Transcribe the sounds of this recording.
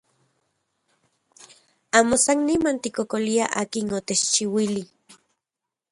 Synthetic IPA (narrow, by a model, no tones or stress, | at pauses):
aːmosanːimant̪ikokoliaʔaːkinot̪et͡ʃt͡ʃiwili